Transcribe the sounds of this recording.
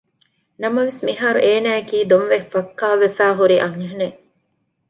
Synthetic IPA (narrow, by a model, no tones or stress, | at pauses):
nɐmɐʋesmiɦaːɾuʔeːnæːekiːd̪onʋefɐkːaːʋefæːɦuɾiʔɐŋɦɐne